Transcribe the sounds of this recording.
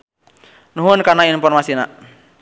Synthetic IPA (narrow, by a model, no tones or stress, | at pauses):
nuɦʊnkarnainfɔrmasina̰ʔ